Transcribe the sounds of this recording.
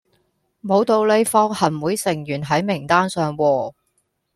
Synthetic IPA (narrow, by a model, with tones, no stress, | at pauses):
mo˨˧wt̪o˨˧wle˨˧jfɔː˧ŋhɐ˨˩nwuː˨˥jsɪ˨˩ŋjyː˨˩nɦɐ˨˥jmɪ˨˩ŋt̪aː˥nsœː˨ŋwɔː˧